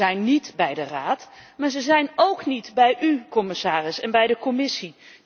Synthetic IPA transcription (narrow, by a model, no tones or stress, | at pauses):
ɛjnːitbɛjdəraːtmaːɹzəzɛjnowknitbɛjʔykɔmɪsaːrɪsɛnbɛjdəkɔmɪsi